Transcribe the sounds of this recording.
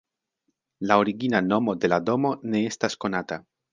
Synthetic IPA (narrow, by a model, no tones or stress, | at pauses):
lao̞ɾiɡinano̞mo̞de̞lado̞mo̞ne̞e̞stasko̞nata